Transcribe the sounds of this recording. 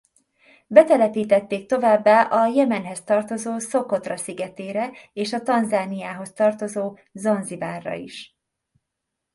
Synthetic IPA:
bɛt̪ɛlɛpiːt̪ɛt̪ːeːk̚t̪o̞vaːbːaːʔɒjɛmɛnɦɛst̪ɒrt̪o̞zoːso̞ko̞t̪rɒsiɡɛt̪eːɾɛeːʃɒt̪ɒnzaːnijaːɦo̞st̪ɒrt̪o̞zoː | zo̞nzivaːrːɒ̰ḭʃ

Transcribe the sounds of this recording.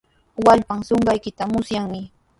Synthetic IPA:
waʎpaŋsoɴɢɑjkɪt̪amʊsjaŋmɪ

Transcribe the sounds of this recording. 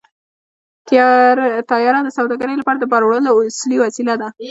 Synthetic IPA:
t̪ɾt̪ajɑɾɑnd̪əsawd̪ɑɡaɾəjlapɑɾad̪əbɑɾawɽəloʊsliwasilad̪a

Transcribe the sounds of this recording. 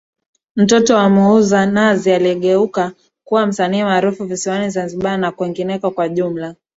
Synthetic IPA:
m̩tɔtɔwamuuzanazialiɛɠɛuka | kuwam̩saniːmaːɾufuvisiwanizanziɓanakuiŋɡinɛkakwaʄum̩la

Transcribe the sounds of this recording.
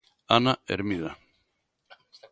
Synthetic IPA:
anaḛɾmiða

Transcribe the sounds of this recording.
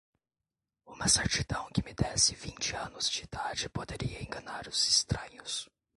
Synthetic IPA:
ũmɐsaɾt͡ʃid̪ɐ̃w̃kɪmɪd̪ɛsɪvĩnt͡ʃɪɐ̃nʊz̥d͡ʒɪːd̪̥ad͡ʒɪpod̪eɾiɐẽŋɡɐnaɾʊzɪst̪ɾɐ̃ɲʊs

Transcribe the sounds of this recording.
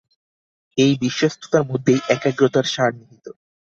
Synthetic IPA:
ejbiʃːost̪ʰo̥t̪aɾmod̪ʱːejʔɛkaɡɾot̪aɾʃaɽniɦit̪o

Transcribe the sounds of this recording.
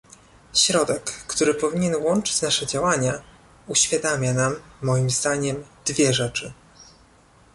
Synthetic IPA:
ɕɾɔd̪ɛkːt̪uɾɘpɔvʲiɲɛnwɔnt͡ʂɘ̥t͡ɕnaʂɛd͡ʑawaɲa | uɕfʲjad̪amʲjanamːɔjimzd̪aɲɛmd̪̥vʲjɛʐɛt͡ʂɘ

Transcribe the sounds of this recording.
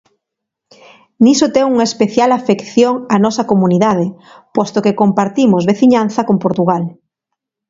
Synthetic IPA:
nisot̪ɛŋuŋaespeθjalafekθjoŋanɔsɐkomuniðaðe | post̪okekompaɾt̪imozβeθiɲanθɐkompoɾt̪uɣal

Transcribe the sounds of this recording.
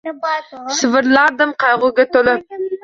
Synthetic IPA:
ʃɪvɨɾlˠɑɾd̪ɨmqʰɑjʁʊɡʲɛt̪ʰolɪ

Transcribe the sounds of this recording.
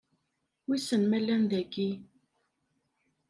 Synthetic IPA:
wisənmælːænðæɡi

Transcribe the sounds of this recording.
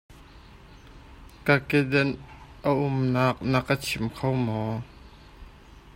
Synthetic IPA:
kakɛdɛnʔəʔʊmnaːk̚nakːat͡sʰimkʰowmɔ

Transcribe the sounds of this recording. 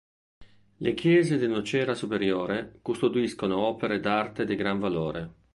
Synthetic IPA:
lʔekjɛːzed̪inot͡ʃɛːɾasupeɾjoːɾekust̪od̪uiskonoɔːpeɾed̪art̪ed̪iɡɾaɱvaloːɾe

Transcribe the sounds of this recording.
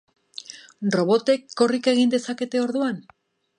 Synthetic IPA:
ro̞βo̞t̪e̞kːo̞rike̞ɣ̞ind̪e̞sake̞t̪e̞o̞ɾðuan

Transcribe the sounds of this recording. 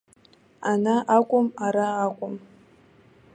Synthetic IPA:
anaʔakʷʼʊmaɾaːkʷʼʊm

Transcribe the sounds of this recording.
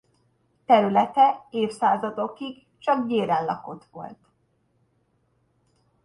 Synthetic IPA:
t̪ɛɾylɛt̪ɛeːfsaːzɒd̪o̞kiɡ | t͡ʃɒɡdeːɾɛlːɒ̰ko̞t̪ʋo̞̰lt̪

